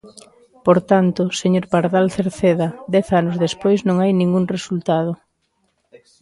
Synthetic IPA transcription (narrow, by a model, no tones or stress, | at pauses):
poɾt̪ant̪ʊseɲoɾpaɾðalθeɾθeðad̪ɛθanozðespojznõŋajnĩŋɡuŋresult̪að̞o